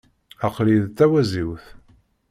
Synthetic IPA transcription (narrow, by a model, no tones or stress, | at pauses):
æqɾiðt̪ːæwæziwθ